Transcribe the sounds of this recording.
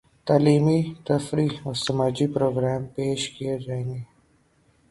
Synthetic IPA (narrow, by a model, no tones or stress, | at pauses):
t̪aːliːmit̪ɐfɾiɔːɾsɐmaːd͡ʒipɾoːɡɾɛːmpeːʃkied͡ʒaːẽːŋɡeː